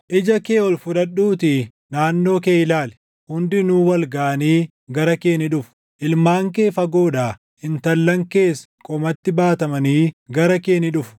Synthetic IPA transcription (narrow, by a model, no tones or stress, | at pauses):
ʔɪd͡ʒɐke̞ːɔlfʊᶑ̪ɐɗːuːt̪ɪ | naːnːo̞ːkeːjɪlaːl | hʊnd̪ɪnuːwɐlɡaʔɐniː | ɡɐɾɐkeːnɪᶑʊfʊ̥ | ʔɪlmaːŋke̞ːfɐɡo̞ːᶑaː | hɪnt̪ɐlːɐŋke̞ːs | kʼɔmɐt̪ːɪbaːt̪ɐmɐniːɡɐɾɐke̞ːnɪᶑʊfʊ̥